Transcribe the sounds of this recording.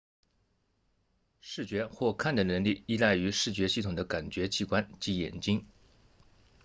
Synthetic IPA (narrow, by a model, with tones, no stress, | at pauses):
ʂɻ̩˥˩t͡ɕɥɛ˧˥xwɔ˥˧kʰa˥˩nd̪ə˩nə˧˥nli˥˩i˥la˥˩ɪy˧˥ʂɻ̩˥˩t͡ɕɥɛ˧˥ɕi˥˩t̪ʰʊ˨˩ŋd̪ə˦ka˨˩nt͡ɕɥɛ˧˥t͡ɕʰi˧˥kwa˥nt͡ɕi˧˥jɛ̰˨˩nt͡ɕi˥ŋ